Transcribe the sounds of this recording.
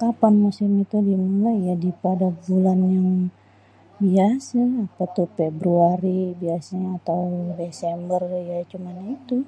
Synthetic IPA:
kapanmusɪmit̪udimulaadipadabulanjaŋ | biasaːpat̪uhfebɾuaɾibiasaɲaːt̪awdesɛmbərjat͡ʃumanait̪u

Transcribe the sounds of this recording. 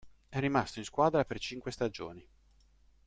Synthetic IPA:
ɛrːimast̪oĩnskwaːd̪ɾapert͡ʃiŋkwest̪ad͡ʒo̰ːni

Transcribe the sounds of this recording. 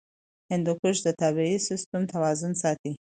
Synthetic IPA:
hɪnd̪ukʊʃd̪ət̪ɑbeisɪst̪umt̪awɑzʊnsɑt̪i

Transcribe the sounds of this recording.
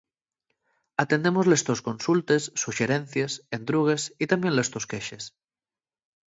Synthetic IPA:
at̪end̪emozlest̪oskonsult̪esːuʃeɾen̟θjesend̪ɾuɣ̞esit̪ambjenlest̪oskeʃes

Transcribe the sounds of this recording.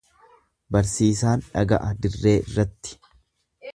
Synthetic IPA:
bɐɾsiːs̬aːnᶑɐɡɐ̰ʔɐd̪ɪrːeːɪrːɐt̪ːɪ̥

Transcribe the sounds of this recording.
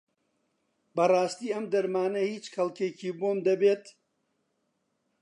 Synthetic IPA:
bɐrˤɑːst̪iːɐmd̪ɐɾmaːnɐhiːt͡ʃxɐlkeːkiːboːmd̪ɐbeːt̪

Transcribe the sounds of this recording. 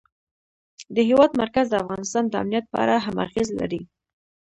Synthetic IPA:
d̪əɦewɑd̪maɾkazd̪əafɣɑnɪst̪ɑnd̪əa̰mnijat̪̚pɑ̰ɾaɦama̰ɾxezla̰ɾi

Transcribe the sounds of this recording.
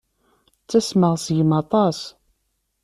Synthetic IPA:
t͡sːæsməʁsjəmɑt̪ˤɑs

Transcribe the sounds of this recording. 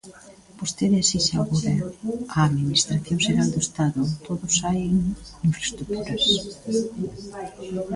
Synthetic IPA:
b̥ost̪eðasisaɣoðeaːðminist̪ɾaθjõŋseɾald̪oest̪aðʊt̪oðʊsajŋiɱfɾast̪ɾuk̚t̪uɾɐs

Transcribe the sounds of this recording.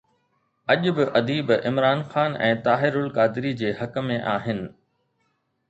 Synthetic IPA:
ɐʄbɪʔɐd̪iːbɪmɾaːnxaːnɛ̰̃ːt̪aːɦɪɾʊlkaːd̪ɪɾid͡ʑeːhɐkə̆mẽʔaːɦɪnɪ̆

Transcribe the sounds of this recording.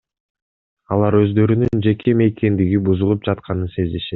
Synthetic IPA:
ɑlˠɑɾø̞zd̪ø̞ɾynynd͡ʒe̞kʰe̞me̞kʰe̞nd̪iɡibuzulˠup̚d͡ʒɑt̪qɑnɯnse̞zd̪e̞ʃe̞t̪̚

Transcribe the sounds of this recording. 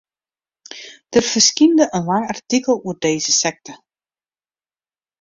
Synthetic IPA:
d̥ərv̥ərskindəʔənlaŋɑrtikəlˠuərdeːzəsɛk̚tə

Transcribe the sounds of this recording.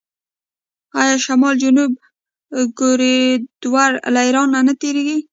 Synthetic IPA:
ɑjɑʃamɑld͡ʒʊnub | ɡoɾed̪̥waɾlajɾɑnːanat̪eɾeɡi

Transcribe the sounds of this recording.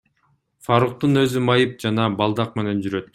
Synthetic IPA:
fɑɾuq̚t̪unø̞zymɑjɯp̚d͡ʒɑnɑbɑlˠd̪ɑq̚me̞ne̞nd͡ʒyɾø̞t̪̚

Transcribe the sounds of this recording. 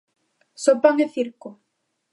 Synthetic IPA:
sopaŋeθiɾko

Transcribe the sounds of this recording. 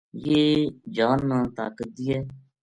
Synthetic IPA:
jeːd͡ʒaːnːaːt̪a̰ːkət̪̚d̪iːɛː

